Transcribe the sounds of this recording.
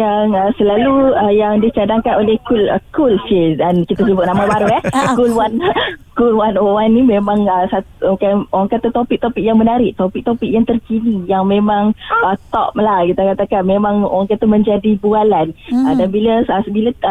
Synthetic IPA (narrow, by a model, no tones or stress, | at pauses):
jaŋəsəlaluəjaŋdit͡ʃadaŋkanolehkuləkulsədankit̪as̬əbʊt̪̚namabaɾujahkulwankulwanowanːimemãŋəsat̪kaoaŋkat̪at̪opik̚t̪opik̚jaŋmənaɾɪʔt̪opik̚t̪opik̚jaŋt̪ərkinijaŋmẽmãŋət̪ɔ̰p̚lahkit̪akat̪akanmemãŋo̰aŋkat̪amə̃ɲd͡ʒadibualanədanbiləəsəbilə